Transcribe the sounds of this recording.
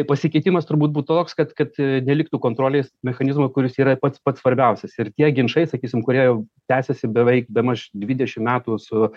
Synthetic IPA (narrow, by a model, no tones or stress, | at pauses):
t̪ɪpɐsʲɪkʲɛɪt̪ʲɪmɐst̪ʊɾbuːt̪̚buːt̪t̪oːkskɐt̪kɐt̪nʲɛlʲɪk̚t̪uːkoːnt̪ɾoːlʲeɪsmʲɛxɐnʲɪzmokʊɾʲɪsiːɾɐpɐt̪spɐt̪sʋɐɾʲbʲɛʊsʲɛsɪɾt̪ʲiɛɡʲɪnʃɐɪsɐkʲiːsʲɪmkʊɾʲiɛjɛʊt̪ʲæːsʲɛsʲɪbʲɛʋʲɛɪkbʲɛmɐʃd̪ʲʋʲid̪ʲɛʃʲɪmmʲæːt̪uːsʊ